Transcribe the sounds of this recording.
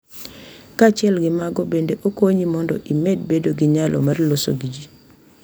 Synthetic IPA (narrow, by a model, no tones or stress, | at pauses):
kat͡ʃɪɛlɡɪmaɡɔbendeʔokoɲimɔndɔʔimed̚bedoɡiɲalʔɔ̰marloso̰ɡid͡ʒi